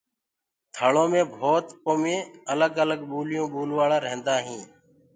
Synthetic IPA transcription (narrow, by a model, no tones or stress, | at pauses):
t̪ʰəːɭõːmẽːbʱoːt̪poːmẽːələɡələɡɓuːlɪjõːɓuːlʋaːɽaːɾəɦnd̪aːɦĩː